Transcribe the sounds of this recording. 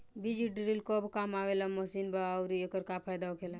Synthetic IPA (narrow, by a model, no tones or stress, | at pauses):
bid͡ʒiʈɾilkobkamaʋelamɔsiːnbaʊɾijokəɾkapʰaːjd̪aokʰela